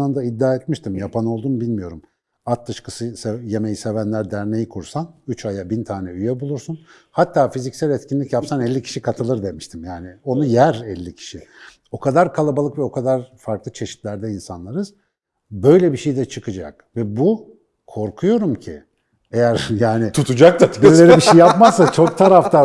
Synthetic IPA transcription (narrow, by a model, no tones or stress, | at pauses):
and̪aid̪ːaːɛt̪miʃt̪ʰimjapʰano̞lˠd̪uːnbilʲmijo̞ɾum | at̪̚d̪ɯʃkɯsɯsɛje̞mejise̞vænlʲæɾd̪æɾne̞jikʰuɾsanyt͡ʃajabint̪ʰaːnɛyjɛbulˠuɾsun | hat̪ʰːaːfizicsælʲɛt̪cʰinlʲicjapsanɛlʲːicʰi̥ʃikʰat̪ʰɯlˠɯɾd̪e̞miʃt̪ʰimjaːnɪo̞nujæɾɛlʲːicʰi̥ʃi | o̞kʰad̪aɾkʰalˠabalˠɯkvɛo̞kʰad̪aɾfaɾklˠɯt͡ʃʰe̞ʃi̥t̪lʲæɾd̪ɛinsanlˠaɾɯz̥ | bø̞jlʲɛbiʃejd̪ɛt͡ʃʰɯkɯd͡ʒa̰k̚ | vɛbu | kʰo̞ɾkʰujo̞ɾumcʰḭ | ejæɾjaːnɪt̪ʰut̪ʰud͡ʒak̚t̪abiɾlʲe̞ɾibiʃejːapmazsat͡ʃʰo̞k̚t̪ʰaɾaft̪ʰa